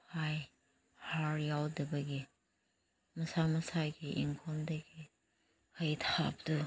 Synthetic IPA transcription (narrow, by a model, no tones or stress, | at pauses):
haj | haɾjawdɐbɐɡi | mɐsamɐsajɡiʔiŋkʰɔmdɐɡi | hɐjtʰap̚du